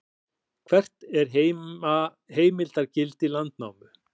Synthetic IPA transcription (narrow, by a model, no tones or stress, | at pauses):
kʰvɛr̥t̪nɛɾ̥ɦea | ɦeːjmɪlt̪aɾcɪlt̪ilant̪na̰ːwmʏ